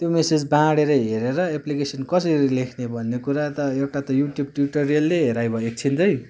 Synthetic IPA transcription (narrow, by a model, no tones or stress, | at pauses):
t̪jomesed͡zbãɽeɾʌɦeɾeɾʌeplikesʌnkʌsʌɾilekʰnebʱʌnːekuɾat̪ʌewʈat̪ʌjuʈjub̚ʈjuʈoɾijʌlːeɦeɾajbʌek̚t͡sʰinʌj